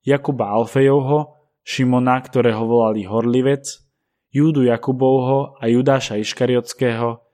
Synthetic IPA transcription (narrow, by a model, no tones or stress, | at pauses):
jakubaalfɛjɔʊɦɔ | ʃimɔnakt̪ɔɾɛːɦɔʋɔlaliɦɔɾliʋɛt͡s | juːd̪ujakubɔʊɦɔajud̪aːʃaiʃkaɾiɔt͡skɛːɦɔ